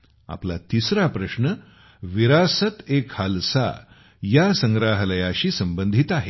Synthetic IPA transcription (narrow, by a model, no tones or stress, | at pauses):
a̰pla̰t̪isɾapɾəɕɳə | ʋiɾasət̪ekhalsa̰ | jasəŋɡɾaɦləjaɕiːsəmbənd̪ʱit̪aɦe